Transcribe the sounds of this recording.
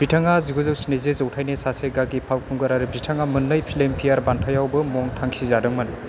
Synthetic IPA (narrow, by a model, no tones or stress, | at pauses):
bɾitʰaŋaziɡɯzɯwsinezezowtʰajnesaseɡaɡipʰawkʰuŋɡɯɾaɾibɾitʰaŋamɯnlɯjpʰilempʰijaɾbantʰajawbɯmɔŋtʰaŋsizadɯŋmɯn